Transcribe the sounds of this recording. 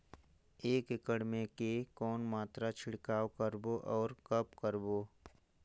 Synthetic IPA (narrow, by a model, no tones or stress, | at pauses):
eːkɪkəɽmẽkekɔːnmaːt̪ɾat͡ʃʰɪɽkaːwkəɾboʔɔːɾkəpkəɾboː